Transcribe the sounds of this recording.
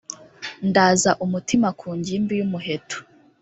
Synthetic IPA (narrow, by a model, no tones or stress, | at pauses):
ndaːzaʔumutimakʰuːɲɟimbijumuɦe̞tʰu̥